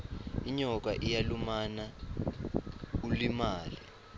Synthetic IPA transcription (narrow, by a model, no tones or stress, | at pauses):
iɲɔk̬aʔijalumana | kulimaːli